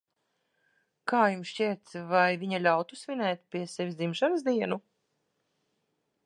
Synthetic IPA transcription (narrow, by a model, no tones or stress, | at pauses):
kaːjumsʃciɛt̪svajviɲalʲawt̪usvʲinɛːt̪̚ʲpʲiɛsevʲisd̪zimʃansd̪iɛnu